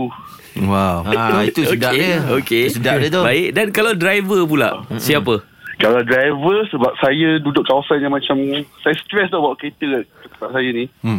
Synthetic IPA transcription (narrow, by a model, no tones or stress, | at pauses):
u | wawait̪usudaʔəokesədaɲət̪obaɪk̚dankalawdɾajvəp̬ula̰ʔsiap̬ə | kalawdɾajvəsəbap̚sajədudʊʔkawasanjamãt͡ʃamsajast̪ɾɛst̪abawʔket̪əɛsətəbap̚sajani